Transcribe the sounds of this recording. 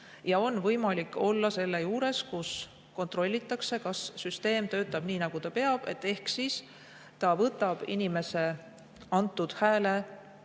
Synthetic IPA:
jɑo̞nvɤjmɑlikˑːo̞lːɑse̞lːejuːɾe̞skus | ko̞nt̪ˑro̞lʲːit̪ːˑɑkse̞kɑsːyst̪e̞ːmt̪ø̞ːt̪ːˑɑb̥niːnɑɡ̥ut̪ɑpe̞ɑb̥e̞̰t̪ːe̞hksiːs | t̪ɑvɤt̪ːˑɑb̥ḭnime̞se̞ | ɑnt̪ːˑud̪̥hæːle̞

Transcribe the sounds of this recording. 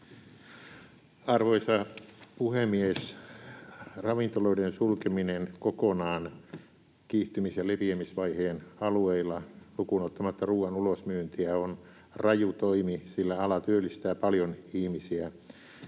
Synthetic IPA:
ɑrʋoisɑpuhemies | rɑʋint̪oloidensulkeminenkokonɑːn | kiːht̪ymisjɑleʋiemisʋɑiheːnɑlueilːɑlukunot̪ːɑmɑt̪ːɑruːɑnulosmyønt̪iæon | rɑjut̪oimisilːæɑlɑt̪yølːist̪æːpɑljonihmisiæ

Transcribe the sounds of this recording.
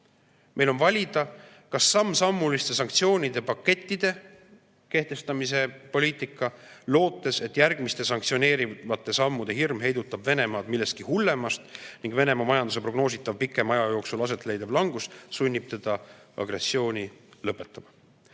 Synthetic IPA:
mʔe̞jlo̞nvɑlʲid̪̥ɑ | kɑsːɑmːsɑmːulist̪e̞sɑŋkt̪sio̞ːnʲid̪e̞pɑkːe̞t̪ʲːˑid̪̥e̞ | ke̞ht̪e̞st̪ɑmis̬e̞po̞lʲiːt̪ˑikːˑɑlo̞ːt̪ːˑe̞se̞t̪ːˑjærɡ̥mist̪e̞sɑŋkt̪sio̞ne̞ːɾivɑt̪ˑːe̞sɑmːud̪̥e̞ɦirmɦe̞jd̪ut̪ːˑɑb̥ve̞ne̞mɑːd̪̥milːe̞st̪̚kihulːe̞mɑst̪niŋɡ̥ve̞ne̞mɑmɑjɑnd̪us̬e̞pɾro̞ɡ̥no̞ːs̬it̪ːˑɑvpikˑːe̞mɑjɑjo̞ːksulɑs̬e̞t̪ˑle̞jd̪ɑb̥lɑŋɡ̥ussunʲːib̥t̪e̞d̪̥ɑɑ̰ɡɾe̞sːio̞ːnʲilɤpːˑe̞t̪ːˑɑb̥ɑ

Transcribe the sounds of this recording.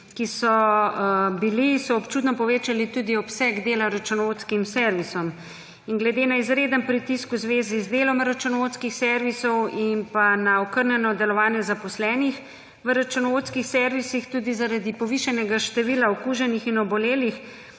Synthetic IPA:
kisɔ | bilisɔɔpt͡ʃuːt̪nɔpɔʋeːt͡ʃalit̪uːd̪iɔpsɛɡd̪eːlaɾat͡ʃunɔot̪skimsɛɾʋisɔm | iŋɡlɛd̪enaizɾeːd̪əmpɾit̪iskuzʋeːzizd̪eːlɔmɾat͡ʃunɔʋot̪skixsɛɾʋisɔwinpanaɔkəɾnjɛnɔd̪ɛlɔʋaːnjɛzapɔslɛːnix | ʋəɾat͡ʃunɔot̪skixsɛːɾʋisixt̪uːd̪izaɾad̪ipɔʋiʃanɛɡaʃt̪ɛʋilaɔkuʒɛnixinɔbɔleːlix

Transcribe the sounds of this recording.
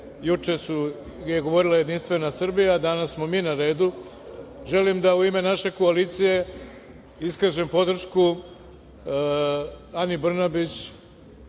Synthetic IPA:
jut͡ʃe̞su | jeɡo̞ʋo̞ɾilˠaje̞d̪inst̪ʋe̞nasr̩bijad̪anassmo̞miːnaɾe̞ːd̪u | ʒe̞limd̪auime̞naʃe̞ko̞aliːt̪sije̞ | iskaʒe̞mpo̞d̪r̩ʃku | anibr̩nabit͡ɕ

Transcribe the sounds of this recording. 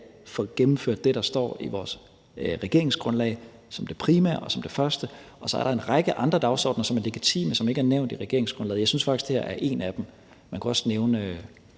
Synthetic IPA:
fɒɡ̥emm̩føɐ̰d̥ːe̝ɾ̥ɑ̈sd̥ɒ̰ːiʋɒːs | ʁɛɡ̥e̝ɐ̰e̝ŋsɡ̥ʁɔ̽nlɛ̰ɪ | sɒ̽md̥e̝pʰʁiːmæ̰ɐ̰ɒ̽sɒ̽md̥e̝fɶɐsd̥ə | ɒ̽sɒ̽æɐɾ̥ɑ̈e̝nʁɑ̈ɡ̥əʔɑ̈nd̥ʁɐd̥ɑ̈ʊsɒ̰ːd̥nɐsɒ̽mæɐle̝ɡ̥it͡sʰḭːməsɒ̽me̝ɡ̥əæɐneʊ̰nd̥iʁɛɡ̥e̝ɐeŋsɡ̥ʁɔnlɛ̰ːð̩ˠjɑ̈ɪsynsfɑ̈ɡ̥isd̥e̝hæ̰ɐʔæɐʔe̝ːnæd̥em | mænkʰuɒ̽sneʊnə

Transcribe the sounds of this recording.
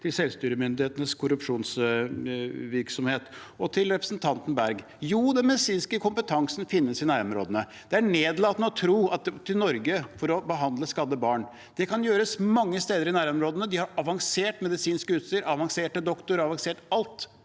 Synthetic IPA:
t̪ʰɪlsɛlʋst̪yːɾəmʏnd̪ɪheːt̪ənəskʰʊɾʉpʂuːns | ʋɪɾksɔmheːt̪ | ɔt̪ʰɪlɾɛpɾə̥snt̪ʰɑnt̪ən̩bæɾɡ | juːd̪ɛnmɛd̪ɪsiːnskəkʰʊmpət̪ʰɑŋsn̩fɪnːəsɪnæːɾɔmɾo̰ːd̪ənə | d̪̥ɛæɳeːd̪lɑːt̪nəɔt̪ʰɾuːɑt̪̚t̪ʰːɪlnɔɾɡəfɔɾɔbəɦɑnd̪ləskɑd̪ːəbɑːɳ | d̪̥ɛkʰɑnjøːɾəsmɑŋːəst̪eːd̪əɾɪnæːɾɔmɾoːd̪ənəd̪ɪhɑɾɑʋɑŋseːʈmɛd̪ɪsiːnskəʉːt̪st̪iːəɾɑʋɑŋseːʈəd̪ɔkt̪ʊɾɑʋɑŋseːʈɑlt̪

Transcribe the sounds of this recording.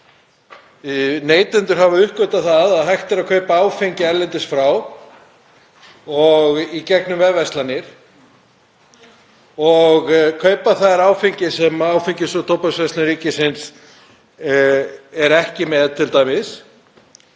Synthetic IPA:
neːjt̪ɪnt̪ʏɾ̥havʏʏhkvʏt̪aθaðaðɦajht̪ɪɾaðkʰœːɥpaaːwfiɲcɪɛɾlɛnt̪ɪsfɾaw | ɔɣicɛknʏmvɛðvɛst̪lanɪɾ̥ | ɔɣkʰœːɥpaθaðɾaːwfiɲcɪsɛmawfiɲcɪsɔt̪ʰowpasvɛst̪lɪɾiːcɪsɪns | ɛɾɛhcɪmɛðt̪ʰɪlt̪aːjmɪs

